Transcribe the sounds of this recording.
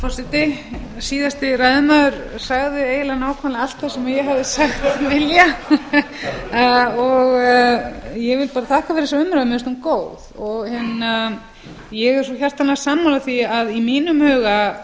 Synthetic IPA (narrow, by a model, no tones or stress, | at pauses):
fɔrsɪt̪ɪ | siːðast̪ɪrajðʏmaðʏɾ̥ | saɣðɪeːjlanaːwkʰvanlaalt̪θasɛmajɛɣɦavðɪsaxt̪vɪlja | ɔɣ | jɛɣvɪlpaːɾat̪ʰaːhkafɛːɾɪsaʏmɾamɛst̪ukoːwðɔɣhɛnːa | jɛɣɛɾsɔçar̥t̪anːḁsaːmawlaθiaðimiːnʏmhœːɣa